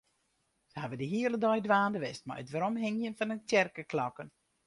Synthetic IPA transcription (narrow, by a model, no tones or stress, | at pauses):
səhavədəɦiələdɔjdʋaːndəʋɪstma̰jətʋəɾɔmɦɪŋjənfɔnəntɛrkəkʰlɔkən